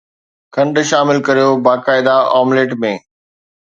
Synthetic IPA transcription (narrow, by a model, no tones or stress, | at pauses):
kʰɐ̃ɳɖʃaːmɪlkɐɾijobaːkaːɪd̪aaːmleːʈmẽː